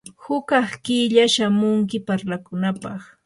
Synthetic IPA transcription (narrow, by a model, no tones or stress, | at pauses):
hʊkɑχkɪʎaʃamʊŋk̬ɪpaɾlakʊnapɑχ